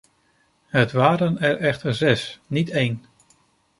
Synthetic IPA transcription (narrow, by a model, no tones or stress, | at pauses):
ɦətʋaːɾənɛɹʔɛχtəɹzɛsnitejn